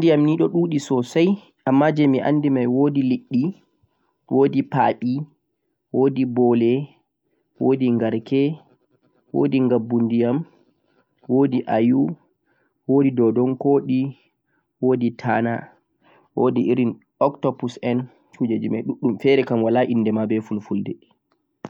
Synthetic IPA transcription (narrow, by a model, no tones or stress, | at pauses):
ndijamniːɗɔɗuːɗisɔsaj | ʔamːad͡ʒɛmiʔa̰ndimajwoːdiliɗːi | wʔoːdipaːɓi | woːdibɔlɛ | woːdiŋɡaɾkɛ | wo̰ːdiŋɡabːundijam | woːdiʔaju | woːdidɔdɔnkoːɗi | woːditʰaːna̰ | woːdiʔiɾin | ɔktɔpusɛn | t͡ʃud͡ʒed͡ʒimajɗuɗːumfɛɾɛkamwalaʔindɛmabɛfulfuldɛ